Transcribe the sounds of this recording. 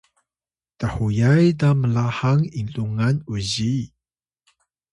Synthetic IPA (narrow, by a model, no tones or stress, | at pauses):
d̥aħujajdaməlahaŋinɬʼuŋanuzi